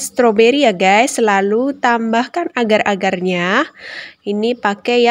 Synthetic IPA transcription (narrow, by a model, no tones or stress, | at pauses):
st̪ɾobeɾijaɡajsːəlalut̪ambahkanaɡarʔaɡarɲa | inipakɛja